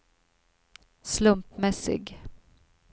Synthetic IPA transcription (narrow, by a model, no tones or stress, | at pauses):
slɵmpmɛsɪ̰ɡ